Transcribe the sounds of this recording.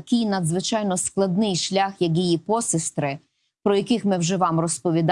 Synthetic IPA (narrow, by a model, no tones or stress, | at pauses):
ɐkɪjnɐd̪zʋɪt͡ʃɑjnɔsklˠɐd̪̚nɪjʃlʲaxjɐkjijipɔsɪst̪ɾɪ | pɾɔjɐkɪxmɪwʒɛʋɑmrɔspɔʋʲid̪